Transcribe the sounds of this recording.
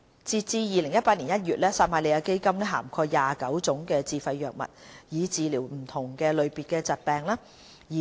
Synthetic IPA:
t͡siː˧t̚t͡siː˧jiː˨˧lɪ˨˩ŋjɐ˥t̚paː˧t̚niː˨˩njɐ˥t̚jyː˨t̚lɛː˥saː˧t̚maː˧le˨˧jaː˧ke˥jkɐ˥mlɛː˥ɦa̰ː˨˩mkʰɔː˧kjaː˨kɐ˨˥wt͡sʊ˨˥ŋkɛː˧t͡siː˨˧fɐ˧jːœː˨k̚mɐ̰˨t̚jiː˨˧t͡siː˨˧liː˨˩wm̩˨˩t̪ʰʊ˨˩ŋkɛː˧lɵ˨˧ɥpiː˨t̚kɛː˧t͡sɐ˨t̚pɛː˨˧ŋlaː˥ | jiː˨

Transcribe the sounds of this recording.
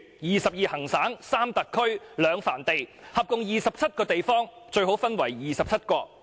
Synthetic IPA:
jiː˨sɐ˨p̚jiː˨hɐ˨˩ŋsaː˨˥ŋsaː˥mt̪ɐ˨kʰːɵ˥ɥlœː˨˧ŋfa̰ː˨˩nt̪e˨jhɐ˨p̚kʊ˨˧ŋjiː˨sɐ˨p̚t͡sʰɐ˥t̚kɔː˧t̪e˨jfɔː˥ŋ | t͡ʃɵ˧ɥɦo˨˥wfɐ˥nwɐ˨˩jjiː˨sɐ˨p̚t͡sʰɐ˥t̚kɔː˧

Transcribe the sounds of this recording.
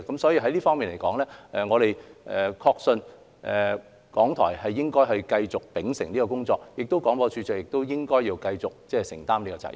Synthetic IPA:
kɐ˨˦msɔ˨˥jiː˧ɦɐ˨˥jliː˥fɔː˥ŋmi˨nle˨˩jkɔː˨˥ŋlɛː˥ʔɛ˨ŋɔː˨˧ɾe˨jɛ˨kʰɔː˧k̚sɵ˧n | ʔɛː˨ | kɔː˨˥ŋt̪ʰɔ̰ː˨˩jhɐ˨jːɪ˥ŋkɔː˥jɦɵ˨˧ɥkɐ˧jt͡sʊ˨k̚pɪ˨˥ŋsɪ˨˩ŋliː˥kɔː˧kʊ˥ŋt͡sɔː˧k̚jɪ˨k̚t̪o˥wkɔː˨˥ŋpɔː˧t͡ʃʰyː˨˧t͡sœː˨k̚jɪ˨k̚t̪o˥wjɪ˥ŋkɔː˥jːiː˧wkɐ˧jt͡sʊ˨k̚t͡sɛː˥˧sɪ˨˩ŋt̪aː˥mliː˥kɔː˧t͡sa̰˧˥

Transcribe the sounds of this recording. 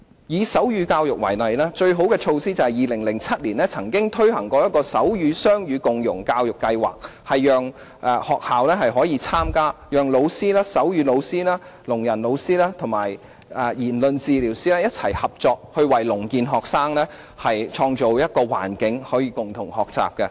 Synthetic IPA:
jiː˨˧sɐ˨˥wjyː˨˧˥kaː˧wjʊ˨k̚wɐ̰˨˩jnɐ˨jlɛː˥t͡ʃɵ˧ɥɦo˨˥wkɛː˧t͡ʃʰo˧wsiː˥t͡sɐ˨˩hɐ˨jiː˨lɪ˨˩ŋlɪ˨˩ŋt͡sʰɐ˥t̚liː˨˩nlɛː˥t͡sʰɐ˨˩ŋkɪ˥ŋt̪ʰɵ˥ɥhɐ˨˩ŋkɔː˧jɐ˥t̚kɔː˧sɐ̰˨˥wjyː˨˧sœː˥ŋjyː˨˧kʊ˨ŋjʊ˨˩ŋkaː˧wjʊ˨˩kːɐ˧jwa̰ː˨k̚hɐ˨jːœː˨ŋ | ʔɛ˨˧hɔː˨k̚haː˨wlɛː˥hɐ˨jɦɔː˨˥jiː˨˧t͡sʰaː˥mkaː˥jœː˨ŋlo˨˧wsiː˥lɛː˥sɐ˨˥wjyː˨˧lo˨˧wsiː˥lɛː˥ | lʊ˨˩ŋjɐ˨˩nlo˨˧wsiː˥lɛː˥t̪ʰʊ˨˩ŋmaː˨˩j | ʔɛː˨˩jiː˨˩nlɵ˧nt͡siː˨liː˨˩wsiː˥lɛː˥jɐ˥t̚t͡sʰɐ˨˩jhɐ˨p̚t͡sɔː˨˧k̚hɵ˧ɥwɐ˨˩jlʊ˨˩ŋkiː˧nɦɔː˨k̚saː˥ŋlɛː˥ | hɐ˨jt͡ʃʰɔː˧ŋt͡ʃo˨wjɐ˥t̚kɔː˧wa̰ː˨˩nkɪ˨˥ŋhɔː˨˥jiː˧kʊ˨ŋt̪ʰʊ˨˩ŋhɔː˨k̚t͡sa̰ː˨p̚kɛ˧

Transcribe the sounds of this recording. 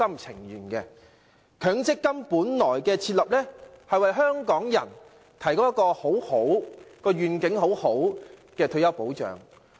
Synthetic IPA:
ɐ˥mt͡sʰɪ˨˩ŋjyː˨˩nkɛː˧ | kʰœː˨˥ŋt͡sɪ˥kːɐ˥mpuː˨˥nlɔː˨˩jkɛː˧t͡sʰiː˧t̚lɐ˨p̚lɛː˥hɐ˨jwɐ˨jɦœː˥ŋkɔː˨˥ŋjɐ˨˩n | t̪ʰɐ˨˩jko˥wjɐ˥kːɔː˧ho˨˥who˨˥wkɔː˧ɥyː˨nkɪ˨˥ŋho˨˥who˨˥wkɛː˧t̪ʰɵ˧ɥjɐ˥wpo˨˥wt͡ʃœ̰ː˨˩ŋ

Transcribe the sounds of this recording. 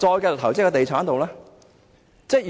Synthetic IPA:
t͡sɔː˧jkɛː˧˨t̪ʰɐ˨˩wt͡sɪ˥kɔː˧t̪e˨jt͡sʰaː˨˥nt̪o˨wlaː˥ | t͡sɛ˥˩j

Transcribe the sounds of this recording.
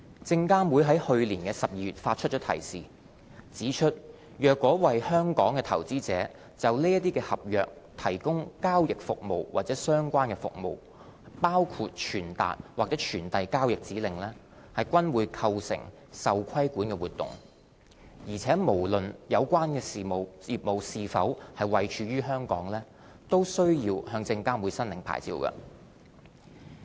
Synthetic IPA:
t͡sɪ˧ŋkaː˥mwuː˨˧jɦɐ˨˥jhɵ˧ɥliː˨˩nkɛː˧sɐ˨p̚jiː˧jyː˨˩t̚faː˧t̚t͡ʃʰɵ˥t͡ʃɔː˨˥t̪ʰɐ̰˨˩jsiː˨ | t͡siː˨˥t͡ʃʰɵ˥t̚ | jœː˨kːɔː˨˥wɐ˨jhœː˥ŋkɔː˨˥ŋkɛː˧t̪ʰɐ˨˩wt͡siː˥t͡sɛː˨˥ | t͡sɐ˨wliː˥jɐ˥t̪̬iː˥kɛː˧hɐ˨p̚jœ̰ː˨k̚ | t̪ʰɐ˨˩jkʊ˥ŋkaː˥wjɪ˨k̚fʊ̰˨k̚mo̰˨wwa̰ː˨t̚t͡sɛː˨˥sœː˥ŋkʷaː˥nkɛː˧fʊ̰˨k̚mo̰˨w | paː˥wkʰu˧t̚t͡ʃʰyː˨˩nt̪a̰ː˨t̚waː˨k̚t͡sɛː˨˥t͡ʃʰyː˨˩nt̪ɐ˨jkaː˥wjɪ˨k̚t͡siː˨˥lɪ˨˩ŋlɛː˥ | hɐ˨jkʷɐ˥nwuː˨˧jkʰɐ˧wsɪ̰˨˩ŋ | sɐ˨wkʷʰɐ˥jkuː˨˥nkɛː˧wuː˨t̚t̪ːʊ̰˨˩ŋ | jiː˨˩t͡sʰɛː˨˥mo˨˩wlɵ˨njɐ˨˧wkʷaː˥nkɛː˧siː˨mo˨wjiː˨˩p̚mo˨˧wsiː˨˧fɐ˨˥whɐ˨jwɐ˨jt͡ʃʰyː˨˧ɥyː˥ɦœː˥ŋkɔ̰ː˨˥ŋlɛː˥ | t̪o˥wsɵ˥ɥjiː˧whœː˧ŋt͡sɪ˧ŋkaː˥mwuː˨˧sɐ˥nlɪ˨˩ŋpʰa̰ː˨˩jt͡sḭː˧wkɐ̰˧

